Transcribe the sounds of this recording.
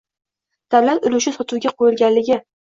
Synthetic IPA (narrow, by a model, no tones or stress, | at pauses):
d̪̥ablanʊlʊʃɪsɒt̪ʰuwɡʲaqʰojɪlɡʲanlɪɡʲɪ